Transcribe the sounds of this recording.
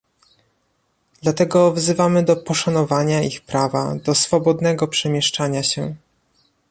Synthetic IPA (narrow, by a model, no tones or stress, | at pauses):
d̪̥lat̪ɛɡɔvzɘvamɘd̪ɔpɔʂanɔvaɲaixpɾava̰d̪ɔsfɔbɔd̪nɛɡɔpʂɛmʲjɛʂt͡ʂaɲaɕɛ